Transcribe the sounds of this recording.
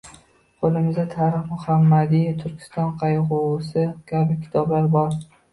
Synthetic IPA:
qʰolˠɪmɪzd̪at̪ʰaɾɪχmʊhamːad̪ijt̪ʰʊɾkʲʰɪ̥st̪ɒnqʰɑjʁʊsɪkʲʰabɪkʲʰɪ̥t̪ʰɒblaɾbɒɾ

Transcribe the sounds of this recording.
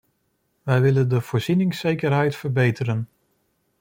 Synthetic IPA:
ʋɛjʋɪləndəv̥ʊːɹz̥inɪŋsejkəɹɦɛjtfəɹbejtəɾən

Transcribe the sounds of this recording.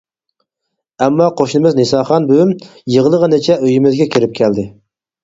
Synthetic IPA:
ɛmːɑqʰoʃnɨmɪznesɑːχɑnbøymjəʁəlˠəʁənet͡ʃʰɛøjimɪzɡʲɛkʲʰiɾɪp̚kʲʰɛld̪ɪ

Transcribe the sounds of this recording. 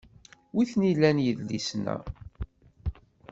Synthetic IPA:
wiθnilːænjəðlḭsnæ̰

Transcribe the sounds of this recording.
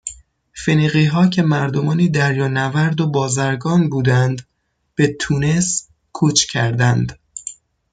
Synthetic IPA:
feniːɣiːɦɒːcʰe̞mæɾd̪o̞mɒːniːd̪æɾjɒːnævæɾd̪obɒːzæɾɡɒːnbuːd̪ænd̪ | b̥e̞t̪ʰuːne̞s | kʰuːt͡ʃʰcʰæɾd̪ænd̪

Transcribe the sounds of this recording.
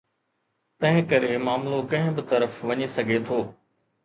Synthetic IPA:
t̪ɐ̃ɦɪ̃kɐɾemaːmlokɐ̃ɦɪ̃bɪt̪ɐɾəfʋɐɲisɐɡʱet̪ʰoː

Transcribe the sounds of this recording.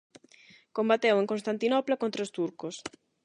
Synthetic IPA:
kombat̪eweŋkõnst̪ant̪inɔplakont̪ɾaost̪uɾkos

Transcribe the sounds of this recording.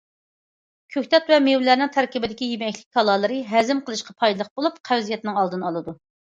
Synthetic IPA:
kʲʰøkʲt̪ʰɛt̪vɛmewlæɾnɪŋt̪ʰæɾkʲibɪd̪ɪkʲijemɛkʲlɪk̚ʲkʰɑlˠɑːlˠɨɾɨɦɛzɪmqʰəlˠɨʃqɑpʰɑjd̪ɨlˠəq̚bolˠupqʰæwzijɛt̪̚nɨŋɑlˠd̪ɨnɑlˠɨd̪u

